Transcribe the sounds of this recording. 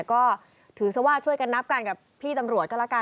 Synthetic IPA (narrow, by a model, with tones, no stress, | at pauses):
kɔː˥˩ | t̪ʰɯː˩˦sa˧˩waː˥˩t͡ɕʰu˥˩əjka˧nːa˦˥p̚ka˧nka˨˩pʰːiː˥˩t̪a˧mɾu˨˩ət̪̚kɔ˥˩la˧˥˩kaː˧